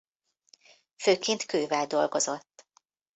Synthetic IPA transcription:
føːkeːnt̪køːvɛld̪o̞lɡo̞zo̞t̪ː

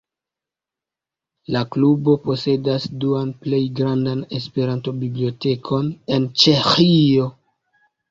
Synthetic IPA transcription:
laklubo̞po̞se̞dasduanple̞jɡɾandane̞spe̞ɾanto̞biblio̞te̞kʰo̞ne̞nt͡ʃe̞xio̞

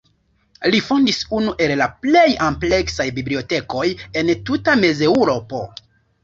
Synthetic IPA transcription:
lifo̞ndisunuʔe̞llaple̞jample̞ksajbiblio̞te̞ko̞je̞ntutame̞ze̞wɾo̞po̞

